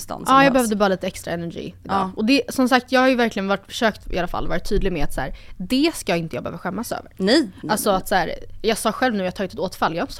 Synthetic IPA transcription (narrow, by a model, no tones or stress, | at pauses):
st̪a̰nɑːjɑːɡbɛhœvd̪əbɑːɾaliːt̪əɛkst̪ɾa̰ɛnæɾɡḭːɪd̪ɑːʔɔd̪ɛsɔmsak̚t̪jɑːɡhaɾjɵvæɾklɪɡənvaʈːfœ̥ʂøːkt̪ɪ̰alafa̰lːvɑːɾɪt̪ʰːyːd̪lɪɡmɛat̪sæ̰ːɾd̪ɛskajːɪnt̪əjɑːɡbɛhœːvaɧɛmːasø̰ːvə̰ɾɛalsɔat̪sæːɾjɑːɡsɑːɧɛlvnʉːjɑːt̪ʰɑːɪnɛt̪oːt̪falːjɑːhɾɪnə̥s